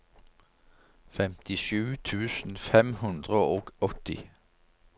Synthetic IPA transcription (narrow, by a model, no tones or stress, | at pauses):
fɛmt̪ɪʃʉːt̪ʰʉːsn̩fɛmhʉnd̪ʁəoːɡ̥ɔt̪ɪ̰